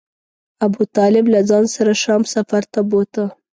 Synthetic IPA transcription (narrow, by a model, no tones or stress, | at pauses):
abut̪ɑlɪblazɑnsaɾaʃɑmsafaɾt̪abot̪ə